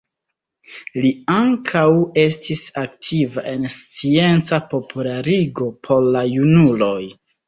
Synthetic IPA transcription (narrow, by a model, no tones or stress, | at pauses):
liaŋkʰawe̞stʰisaktʰivaʔe̞nst͡sie̞nt͡sapo̞pʰulaɾiɡo̞pʰo̞ɾlajunulo̞j